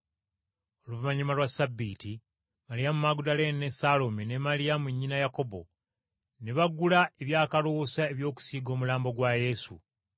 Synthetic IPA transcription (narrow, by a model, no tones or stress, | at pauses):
oluvumaɲimalwasabːiːti | maɾijamumaɡudalenne̞salomine̞malijamuɲːinajako̞bo̞̰ | neβaɡulae̞βjaːkalosae̞βjo̞ːku̥siːɡo̞ːmulaːmbo̞ɡwaje̞sṵ